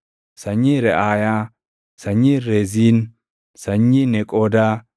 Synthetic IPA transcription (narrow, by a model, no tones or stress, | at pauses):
sɐɲiɾɛʔaːja | sɐɲːiɾezin | sɐɲːinɛkʼod̪a